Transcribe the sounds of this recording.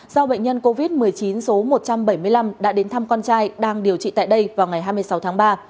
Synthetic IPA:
sa˧wɓə̰˧˨ŋ̟ɲə˧nko˧vi˦˥t̚mɨ˨˩əjt͡ɕi˨˦nso˨˦mo˨˩t̚t͡ɕa˧mɓə˧˩jmɨ˧əjla˧mɗa̰ː˧˥ɗe˨˦nt̪ʰa˧mkɔ˧nt͡ɕaː˧jɗaː˧ŋɗi˨˩əwt͡ɕḭ˧˨t̪a̰ː˧˨jɗə˧jvaː˨˩wŋa˨˩jɦaː˧jm˧əsa˨˦wt̪ʰaː˨˦ŋɓaː˧

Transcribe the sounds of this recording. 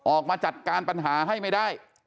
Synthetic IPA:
ʔɔː˨˩k̚maː˧t͡ɕa˨˩t̪̚kaː˧npa˧nɦaː˩˦ɦa˥˩jma˥˩jdaː˥˩j

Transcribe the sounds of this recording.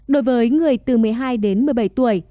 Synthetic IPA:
ɗo˨˦jvəː˨˦jŋɨ˨˩əjt̪ɨ˨˩mɨ˨˩əjɦaː˧jɗe˨˦nmɨ˨˩əjɓə˧˩jt̪u˧˩əj

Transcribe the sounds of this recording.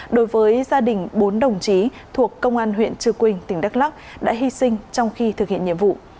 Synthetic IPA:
ɗo˨˦jvəː˨˦jzaː˧ɗï˨˩ŋ̟ɓo˨˦nɗə˨˩wŋ͡mt͡ɕi˨˦ | t̪ʰu˨˩əkːə˧wŋ͡mʔaː˧nɦwḭ˧˨ənt͡ɕɨ˧˩kwï˧˩ŋ̟t̪ï˨˩ŋ̟ɗa˦˥k̚la˦˥k̚ɗa̰ː˧˥ɦwi˧sï˧ŋ̟t͡ɕɔ˧wŋ͡mxi˧t̪ʰɨ˨˩hḭ˧˨əɲḭ˧˨əmvṵ˧˨

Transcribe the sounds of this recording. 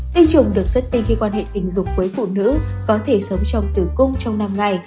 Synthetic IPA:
t̪i˧t͡ɕʊ˨˩ŋ͡mɗɨ˨˩ək̚swə˦˥t̚t̪i˧ŋxi˧kwaː˧nhḛ˧˨t̪ï˧˩ŋ̟zʊ˨˩ŋ͡m̚kuː˨˦jfṵ˧˨nɨ̰˧˥kɔ˨˦t̪ʰe˧˩sə˨˦ŋ͡mt͡ɕɔ˧wŋ͡mt̪ɨ˧˩kʊ˧ŋ͡mt͡ɕɔ˧wŋ͡mna˧mŋa˨˩j

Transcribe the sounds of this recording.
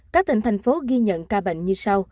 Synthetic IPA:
kaː˦˥k̪̚ï˧˩ŋt̪ʰa˧˩jŋ̟fo˨˦ɣi˧ɲə̰˧˨nkaː˧ɓḛ˧˨jŋ̟ɲɨ˧sa˧w

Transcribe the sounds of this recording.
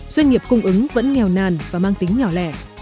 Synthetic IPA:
zwə˧nŋi˨˩əp̚kʊ˧ŋ͡mʔɨ˨˦ŋvə̰˧˥nŋɛ˨˩wnaː˨˩nvaː˨˩maː˧ŋt̪ï˨˦ŋ̟ɲɔ˧˩lɛ̰˧˩˨

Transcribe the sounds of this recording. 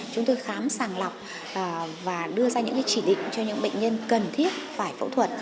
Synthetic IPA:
t͡ɕʊ˨˦ŋ͡mt̪o˧jxaː˨˦msaː˧˩ŋla˨˩wk͡p̚ː | vaː˨˩ɗɨ˧əzaː˧ɲɨ̰˧˥ŋkaː˨˦jt͡ɕi˧˩ɗḭ̈˧˨ŋ̟t͡ɕɔ˧ɲɨ̰˧˥ŋɓḛ˧˨ŋɲə˧nkə˨˩nt̪ʰi˦˥ət̚faː˧˩jfə̰˧˥t̪ʰwə˨˩t̚

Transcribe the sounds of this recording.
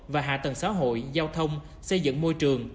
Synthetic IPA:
vaː˨˩ɦa̰ː˧˨t̪ə˨˩ŋsa̰ː˧˥ɦo̰˧˨jzaː˧wt̪ʰə˧wŋ͡m | sə˧jzɨ̰˧˨ŋmo˧jt͡ɕɨ˨˩əŋ

